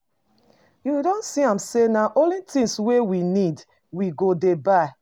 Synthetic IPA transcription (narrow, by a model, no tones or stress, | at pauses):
juidɔ̃nsiãmsenaʔõlitĩŋswewinid | wiɡodebaɪ